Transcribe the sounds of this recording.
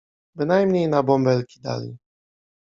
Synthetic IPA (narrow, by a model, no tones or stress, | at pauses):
bɘnajmɲejnabɔmbɛlkʲid̪a̰lʲḭ